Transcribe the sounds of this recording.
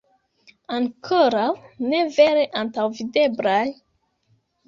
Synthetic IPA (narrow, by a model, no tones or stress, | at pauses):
aŋkʰoɾawne̞ve̞ɾeʔantawvide̞blaj